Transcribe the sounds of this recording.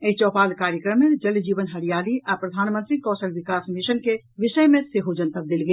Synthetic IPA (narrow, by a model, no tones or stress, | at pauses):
eɦit͡ʃɔpalkaɾjəkɾəmed͡ʒəld͡ʒiʋənɦəɽijaliʔapɾəd̪ʱanmənt̪ɾikɔsəlbikasmiʃənke | ʋiʃəjmeseɦod͡ʒənt̪əb̚d̪elɡel